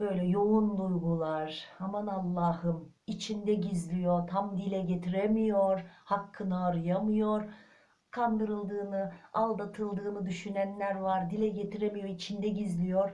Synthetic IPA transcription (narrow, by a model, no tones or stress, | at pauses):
b̥ø̞jlʲɛjounlˠujɡulˠaɾ̥hamanalˠːaːhɯm | it͡ʃʰind̪ɛɟizlʲijo̞ɾt̪ʰamd̪ilʲɛɟet̪ʰiɾemijoɾhakʰːɯnɯːɾɯjamɯjoɾ | kʰand̪ɯɾɯlˠd̪ɯːnɯalˠd̪at̪ʰɯlˠd̪ɯːnɯd̪yʃynænlʲæɾvaɾd̪ilʲɛɟe̞t̪ʰiɾemijo̞ɾit͡ʃʰind̪ɛɟizlʲijo̞ɾ̥